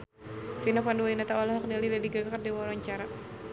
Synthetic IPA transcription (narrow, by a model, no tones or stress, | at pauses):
finapanduwainat̪awalaɦɔk̚nialiladiɡaɡardiwaɾaɲt͡ʃaɾa